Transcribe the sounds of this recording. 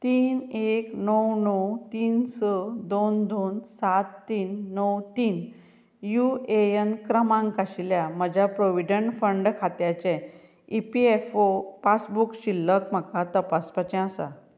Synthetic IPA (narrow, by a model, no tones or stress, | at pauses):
t̪iːneknəwnəwt̪iːnsəd̪ond̪onsat̪ːiːnːəwt̪iːn | juejənkɾəmãŋkaɕiljaməd͡ʑʱjapɾoʋiɖəɳʈfəɳɖkʰat̪jat͡ɕɛ̃ | ipiefopasbukɕilːəkm̤əkat̪əpaspat͡ɕɛ̃əsa̰